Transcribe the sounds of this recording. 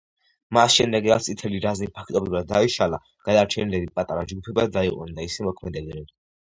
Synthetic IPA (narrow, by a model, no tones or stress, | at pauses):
masʃɛmd̪ɛɡɾat̪sʼit̪ʰɛliɾaznipʰak̚ʰt̪ʼɔbɾivad̪̚ːaiʃala | ɡ̥ad̪aɾt͡ʃʰɛnlɛbipʼat̪ʼaɾad͡ʒɡupʰɛbad̪aiqʼɔ̰nd̪aisɛmɔkʰmɛd̪ɛbɛɾɛ